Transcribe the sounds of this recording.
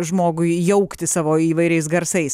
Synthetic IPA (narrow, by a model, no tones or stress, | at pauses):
ʒmoːɡʊɪjɛʊkt̪ʲɪsɑːʋoːiːʋɐɪɾʲɛɪsɡɐɾsɐɪs